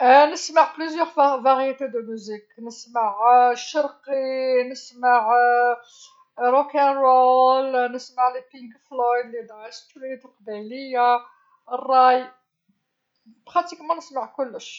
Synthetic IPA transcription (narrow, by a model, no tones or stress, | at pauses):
nəsmaʕplyzjəʁvaʁjet̪ed̪əmyziknəsmaʕʃɑɾqinəsmaʕ | ɾokænɾolnəsmaʕlepikflɔjd̪lid̪ʁæst̪ult̪əlqbæjləjːa | rˤːɑj | bʁɑt̪ikmɑ̃nəsmaʕkʊlːəʃ